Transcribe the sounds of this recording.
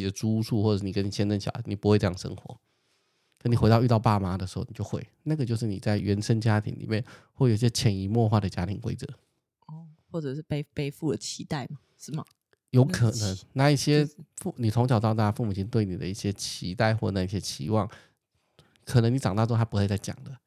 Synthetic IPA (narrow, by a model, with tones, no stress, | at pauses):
ə˦ʈ͡ʂu˥ʂu˥˧xwɔ˥˩˧ʂɻ̩˥˩ni˨˩kə˦ni˨˩jɛ˥nə˥˩nɕjɑ̰˨˦ni˨˩pu˧˥xwe˥ɪʈ͡ʂɤ˧jɑ˥˩ŋʂə̰˥ŋxwɔ̰˧˦ | kə˥ni˨˩xe˧˥ɪɑ˥˧ʊy˥˧t̪ɑ˥˧ʊpa˥˧ma˧˩d̪ə˩ʂɻ̩˧˥xo˥˩ʊni˨˩t͡ɕo˥˧xwe˥˩ɪna˥˩ɡə˩t͡ɕjo˥˧ʊʂɻ̩˥˩ni˨˩t͡sa˥˩ɪɥɛ˧˥nʂə˥nt͡ɕja˦˥t̪ʰḭ˧˥nlḭ˨˩mjɛ˥˨nwji˥˩ɕjɛ˥t͡ɕʰjɛ˧˥ni˧˥mwɔ˥˧xwa˥˩d̪ə˩t͡ɕja˥t̪ʰi˧˦ŋkwḛ˥ɪt͡sɤ˧˦ | ɔ˥˩˥xwɔ˥˩ʈ͡ʂə˨˩ʂ̩˥˩pe˥˧ɪpe˥˧ɪfu˥˩d̪ə˨˩t͡ɕʰi˧˥t̪a˥˩ɪma˩ʂɻ̩˥˩mɐ̰˨˩ | jo˧˥ʊkʰɤ˨˩nə˧˦ŋna˥˧i˥˩ɕjɛ˥fu˥˩ni˨˩t͡s̪ʰʊ˧˥ŋt͡ɕʰɑ˨˩ʊt̪ɑ˥˧t̪a˥˩a˥fu˥˩mu˨˩t͡ɕʰi˧˥ŋt̪we˥˩ɪni˨˩d̪ə̰˦i˥˩ɕjɛ˥t͡ɕʰi˧˥t̪a˥˧ɪxwɔ˥˩ə˨˩na˥˧i˥ɕjɛ˥t͡ɕʰḭ˧˥wɑ˥˩ŋ | kʰə˨˩nə˧˦ŋni˧˥ʈ͡ʂɑ˨˩ŋt̪ɑ˥˧ʈ͡ʂo˥ŋt̪ʰa˥pu˧˥xe˥˧ɪt͡sa˥˩ɪt͡ɕjɑ̰˨˩ŋd̪ə˦